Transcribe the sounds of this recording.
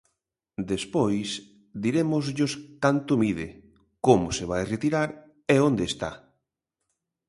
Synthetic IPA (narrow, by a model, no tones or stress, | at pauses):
d̪espojs | d̪iɾemʊzʎʊskant̪ʊmið̞ɪ | komʊseβ̞ajret̪iɾaɾ | ɛond̪eːst̪a̰